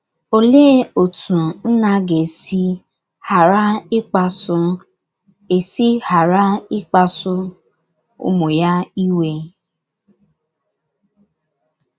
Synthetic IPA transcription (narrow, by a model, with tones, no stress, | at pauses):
o˦le˦o˨tũ˨n̩˦nã˧ɡe˨si˧ | ha˨ɾa˦i˦k͡pa˧su˧ | e˨si˦ha˨ɾa˦i˦k͡pa˧su˧ | o̰˧mõ˨ja˦i˦we˧